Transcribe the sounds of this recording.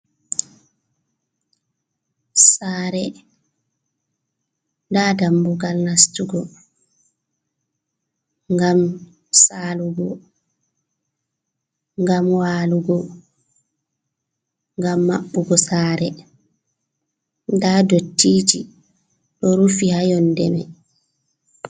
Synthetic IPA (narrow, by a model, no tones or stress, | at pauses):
saːɾɛ | ndadambuɡalnastuɡɔ | ŋɡam | saːluɡɔ | ŋɡamwaːluɡɔ | ŋɡamːaɓːuɡɔsaːɾɛ | ndadotːiːd͡ʒi | ɗɔɾufihajɔndɛmɛ